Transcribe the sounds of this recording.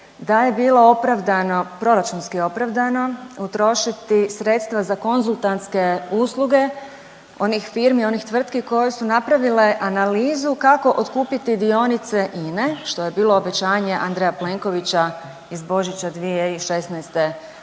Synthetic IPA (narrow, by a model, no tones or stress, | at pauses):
d̪aje̞biːlˠo̞opɾaʋd̪anopɾo̞ɾat͡ʃunskio̞pɾaʋd̪ano̞ut̪ɾo̞ʃit̪isɾet̪st̪ʋazako̞nzulˠt̪ant̪ske̞uːsluɡe̞ | o̞nixfiːɾmio̞nixt̪ʋr̩t̪kiko̞je̞sunapɾaʋile̞ʔanaliːzukako̞ʔot̪kuːpit̪id̪io̞nit̪se̞ʔineʃt̪o̞je̞biːlˠo̞ːbe̞t͡ɕaːɲe̞ʔa̰nd̪ɾejaple̞ŋko̞ʋit͡ɕa | izbo̞ʒit͡ɕad̪ʋijeiʃe̞snɛjst̪e̞